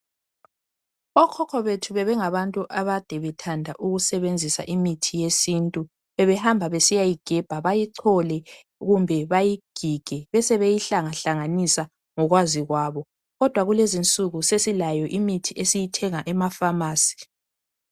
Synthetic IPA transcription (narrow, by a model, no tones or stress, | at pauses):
βɔkʰɔkʰɔβetʰuβɛβɛŋaβantʼuʔaβad̥ʱɛβɛtʰandʱaʔuɣusɛβend͡zʱisa̰ʔimitʰijesintʼu | βɛβɛhambʱaβesijajiɡ̥ʱɛb̥ʱaβajiǀʰɔlɛ | ɣumbʱɛβajiɡ̥ʱiɡ̥ʱɛβɛsɛβejiɬaŋaɬaŋanisa | ŋɔɣwaziɣwaːβɔ | ɣɔd̥ʱwaɣulezint͡sʼuɣusesilajɔʔimitʰiesijitʰɛŋaʔɛmafamaːsi̥